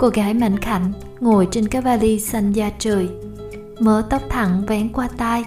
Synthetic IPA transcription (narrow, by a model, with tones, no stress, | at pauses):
ko˧˩ɣaː˨˦jma̰˧˨ŋ̟xʰa̰˧˩jŋ̟ | ŋo˨˩əjt͡ɕe˧nkaː˦˥k̚vaː˧li˧sa˧jŋ̟zaː˧t͡ɕɨː˨˩j | məː˨˦t̪ə˦˥wk͡p̚t̪ʰa̰˧˩ŋvɛ˨˦ŋkwaː˧t̪aː˧j